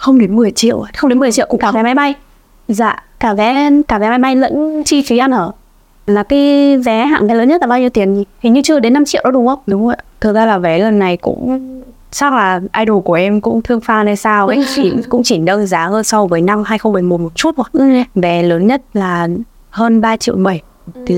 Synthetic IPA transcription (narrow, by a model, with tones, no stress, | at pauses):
xə˧wŋ͡mɗe˨˦nmɨ˨˩əjt͡ɕḭ˧˨əwʔxə˧wŋ͡mɗe˨˦nmɨ˨˩ə˩t͡ɕḭ˧˨wkka˧˩˨vɛ˨˦ma˨˦jɓa˧j | za̰ː˧˨kaː˧˩vɛ˨˦kaː˧˩vɛ˨˦ma˨˦jɓa˧jlə̰˧˥nt͡ɕi˧fi˨˦ʔa˧nʔəː˧˩ | laː˨˩kaː˨˦jvɛ˨˦ɦa̰ː˧˨vɛ˨˦ləː˨˦ɲə˦˥t̚lːa˨˩ɓaː˧ɲ˧t̪i˨˦ənzi˨˩t̪ʰi˨˩ɲɨ˧t͡ɕɨ˧əɗe˨˦nːa˧mt͡ɕḭ˧˨ʔɗɔ˨˦ɗʊ˨˦ŋ͡mʔə˧˦wɗʊ˨˦ŋ͡mzə̰˧˨jt̪ʰɨ˨˩k̚zaː˧laː˨˩vɛ˨˦lə˨˩nːa˨˩jkʊ̰˧˥ŋ͡m | sa˦˥k̚laː˨˩ʔaː˧jɗo˨˩ku˧˩əʔɛ˧mkʊ̰˧˥ŋ͡mt̪ʰɨ˧əŋfaː˧na˧˩jsaː˧wi˨˩kʊ̰˧˥ŋ͡mt͡ɕi˧˩nɗə˧zaː˨˦həː˧nsɔ˧wvəː˨˦jna˧mhaː˧jxə˧ŋ͡mɓə˨˩jmo˨˩mo˨˩t̚t͡ɕu˦˥t̚o˨˩vɛ˨˦ləː˨˦nɲə˦˥t̚laː˨˩ | həː˧nɓaː˧t͡ɕḭ˧ə˨wɓə˧˩j | t̪ʰi˨˩